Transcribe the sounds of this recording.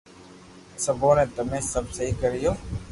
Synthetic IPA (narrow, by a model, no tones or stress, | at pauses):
səboːnẽːt̪əmẽːsəbsəɦikəɾɪjoː